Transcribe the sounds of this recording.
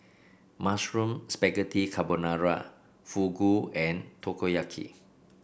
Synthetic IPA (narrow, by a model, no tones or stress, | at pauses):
masɹũmspɛɡətʰikʰabonaɹa̰ | fuɡuɛ̃ntʰokojakʰḭ